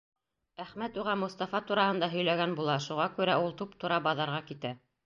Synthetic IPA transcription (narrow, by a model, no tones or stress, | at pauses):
æχmæt̪uʁɑmŏst̪ɑfɑt̪uɾɑhɤ̆nd̪ɑɦɵ̆jlæɡænbulˠɑʃuʁɑkʉɾæulˠt̪upt̪ŭɾɑbɑðɑɾʁɑkit̪æ